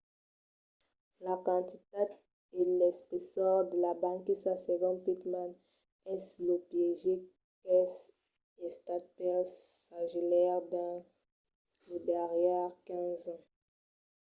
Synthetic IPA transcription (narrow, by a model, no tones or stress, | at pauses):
lakɑ̃t̪it̪ad | elɛspesɔʁd̪əlabãkisaseɡɔ̃pit̪mãn | ɛsləpjeʒe | kɛs | est̪at̪̚pɛlsaʒelɛʁd̪ɑ̃ | ləd̪ɛʁjɛʁkɛ̃zɑ̃